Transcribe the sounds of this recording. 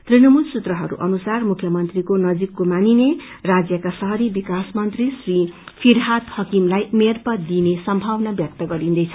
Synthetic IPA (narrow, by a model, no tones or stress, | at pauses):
t̪rinʌmulsut̪rʌɦʌɾṵʔʌ̰nusarmukʰjʌmʌnt̪rikonʌd͡zikːomanine | rad͡zjʌkasʌɦʌɾibikasmʌnt̪risripʰiɾɦat̪hʌkimlajmerpʌd̪inesʌmbʱawnabjʌk̚t̪ʌɡʌɾind̪ʌjt͡sʰʌ̥